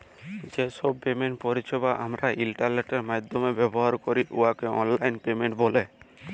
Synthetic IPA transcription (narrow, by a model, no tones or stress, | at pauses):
d͡ʒesɔb̚pemeɳʈpɔɾit͡ʃʰebaʔamɾaʔilʈaɾneʈeɾmad̪ʱɔmebɛbɔɦaɾkɔɾiʔuakeɔ̰nlajnpemeɳʈbole